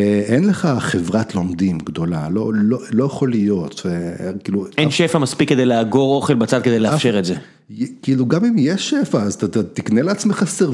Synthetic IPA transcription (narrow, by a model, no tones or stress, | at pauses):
enleχaχevʁatlo̞md̪imɡd̪o̞la̰lo̞lolo̞jaχo̞lijo̞t̪kiːluenʃefamaspikːed̪ejleaɡo̞ʁo̞χelbat͡sad̪̚ked̪ejleafʃeʁetze | kiːluɡamimjeʃefaːztatat̪ikneleat͡smeχase